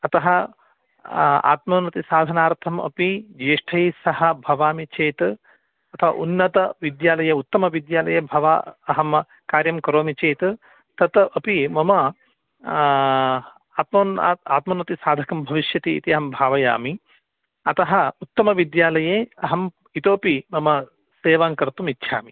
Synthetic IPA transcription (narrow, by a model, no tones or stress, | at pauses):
ɐt̪ɐɦɐ | a̰ːt̪mɐːnɐt̪isaːd̪ʱɐnaːɾt̪ʰɐmɐ̰pid͡ʒeːʂʈʰɐjisɐhɐ̆bʱɐʋaːmit͡ʃeːt̪ | ɐt̪ʰɐʋɐ̰ʔunːɐt̪ɐʋid̪jaːlɐjɐut̪ːɐmɐʋid̪jaːlɐjɐbʱɐʋa̰ɐɦɐm | kaːɾjɐmkɐɾoːmit͡ʃeːt̪ | t̪ɐt̪ɐpimɐmɐ | aːt̪mɐːnːaːt̪mɐnɐt̪isaːd̪ʱɐkɐmbʱɐʋiʃjɐt̪iḭt̪iɐɦɐmbʱaːʋɐja̰ːmi | ɐt̪ɐɦɐut̪ːɐmɐʋid̪jaːlɐjeːɐɦɐm | it̪oːpimɐmɐ | seːʋaːŋkɐɾt̪umitːʃʰa̰ːmi